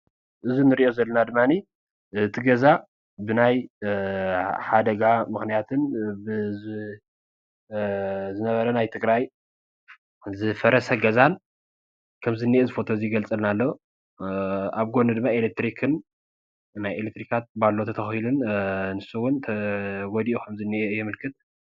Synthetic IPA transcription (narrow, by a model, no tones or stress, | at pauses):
ʔɨzunɨɾiʔo̞zɐlːɐnad̪ɨmːani | ʔɨt̪ʰiɡɐza | bɨnaj | ħad̪ɐɡamɨxnijat̪ʰɨnb | zɨnɐβɐɾɐnajt̪ʰɨɡʼɾaj | zɨfɐɾɐsɐɡɐzan | kʰɐmzɨnːiʔezɨfo̞t̪ʰoziɡɐlt͡sʼɨlnalːo | aβɡo̞nɨd̪ɨmːaelek̚t̪ɾikʰɨn | najelek̚t̪ɾikʰat̪̚balːot̪ʰɐt̪ʰɐxhilunnɨsuwʊnt̪ʰwɔd̪iʔukʰɐmzɨnːiʔejɪmɨlkʰɨt̪̚